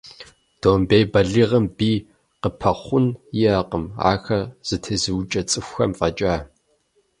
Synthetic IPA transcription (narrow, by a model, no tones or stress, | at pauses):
d̥oːmbejbɐɮiːʁɐmbiː | qəpʰɐχʷʊnjɪɐqəma̰ːxɐz̥ɨtʰezɨwt͡ʃʼɐt͡sʼɨxʷxɐmfʼɐt͡ʃʼaː